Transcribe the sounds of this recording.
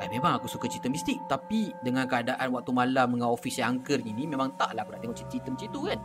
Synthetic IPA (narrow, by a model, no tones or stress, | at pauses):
kamẽmãŋakusukat͡ʃit̪əmist̪ɪk̚t̪apidəŋãnkəadaʔanwak̚t̪umalaməŋawofisjaŋaŋkərninimẽmãŋt̪aʔlahakunaʔt̪eŋɔʔt͡ʃit͡ʃit̪əmt͡ʃit̪ukan